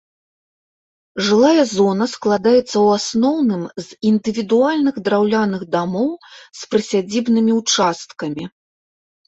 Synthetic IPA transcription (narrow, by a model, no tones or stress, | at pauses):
ʐɨlˠajɐzɔnɐsklˠad̪ajɛt̪sːɐwasnɔwnɨmzind̪ɨvʲid̪ualʲnɨɣd̪ɾawlʲanɨɣd̪amɔwspɾɨsʲad͡zʲibnɨmʲiwt͡ʂast̪kɐmʲi